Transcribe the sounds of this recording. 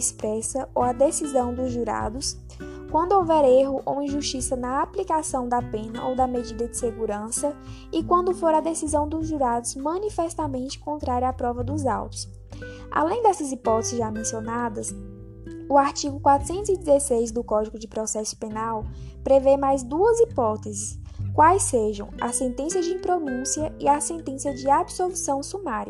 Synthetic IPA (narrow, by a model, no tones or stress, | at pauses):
ispɾɛsɐowɐd̪esizɐ̃w̃d̪ʊzʒuɾa̰d̪ʊs | kwɐ̃nd̪ʊowvɛɾeɦʊʔo̰ĩʒuʃt͡ʃisɐnɐaplikasɐ̃w̃d̪ɐpẽnɐʔowd̪ɐmed͡ʒid̪ɐd͡ʒɪseɡuɾɐ̃sɐ | ɪkwɐ̃nd̪ʊfoɾɐd̪esizɐ̃w̃d̪ʊzʒuɾad̪ʊzmɐ̃nifɛst̪amẽnt͡ʃɪ̥kõnt̪ɾaɾjapɾɔvɐd̪ʊza̰wt̪ʊ̥s | a̰lẽj̃d̪ɛsɐzipɔt̪ɛzɪzʒamẽsionad̪ɐs | ʊaɾt͡ʃiɡʊkwat̪ɾʊ̥sẽnt̪ʊzid͡ʒɪzesejzd̪ʊkɔd͡ʒiɡʊd͡ʒɪpɾɔsɛsʊ̥penawpɾevemajzd̪uɐzipɔt̪ezɪs | kwajseʒɐ̃w̃ɐ̰sẽnt̪ẽsjɐd͡ʒɪĩpɾonũsiɐɪasẽnt̪ẽsjɐd͡ʒɪabsolusɐ̃w̃sumaɾjɐ